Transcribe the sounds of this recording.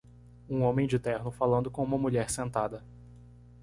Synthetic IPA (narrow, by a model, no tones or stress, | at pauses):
ũõmẽj̃d͡ʒɪt̪ɛɾnʊfalɐ̃nd̪ʊkõũmɐmuʎɛɾsẽnt̪ad̪ɐ